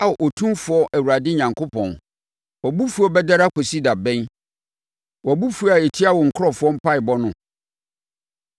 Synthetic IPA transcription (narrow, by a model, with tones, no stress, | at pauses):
a˦˨ʔo˨tʰũ˦mfʊ˨˦ɔ˦ʔæ˨wu˨ɾa˨dɪ˦ɲã˨ŋkʰo˦pʰɔ̰̃˨n | wɔ˨bu˦fu˨ɔ˦bɛ˦da˦ɾa˦kʰɔ˨si˦da˨bɛ̃˦n | wɔ˨bu˦fu˨˦a˨e˨tʰi˦a˦wɔ˨ŋ̩˨kʰʊ˦ɔ˨fʊ˦ɔ˦m̩˦pʰa˦ɪ˨bɔ˦nʊ̃˨